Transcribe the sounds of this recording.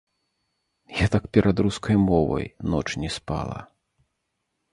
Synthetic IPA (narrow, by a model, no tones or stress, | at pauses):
jat̪akpʲɛɾʔad̪ɾuskʰɐjmɔvɐ̰jnɔt͡ʂnʲɛspa̰lˠɐ̰